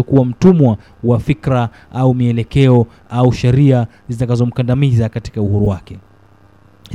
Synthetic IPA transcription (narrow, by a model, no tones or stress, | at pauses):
ɔkuwam̩tumwa | wafikɾa | ʔaumiɛlɛkɛɔ | auʃɛɾia | zitakazɔm̩kandamizakati̥kauhuɾuwakɛ | h